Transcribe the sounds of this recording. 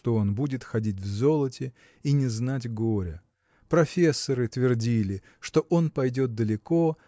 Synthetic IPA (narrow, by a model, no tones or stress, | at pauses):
t̪oo̞nbudʲɪt̪xɐdʲitʲvzo̞lˠətʲɪ | inʲɪznatʲɡo̞ɾʲə | pɾɐfʲesːəɾɨt̪vʲɪrdʲilʲɪ | ʂt̪o̞ʔonpɐjdʲo̞t̪̚d̪əlʲɪko̞